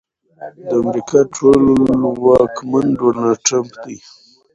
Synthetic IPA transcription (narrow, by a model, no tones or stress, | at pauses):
d̪əamɾikɑʈʰolwɑkmanɖonɑlʈɾampd̪i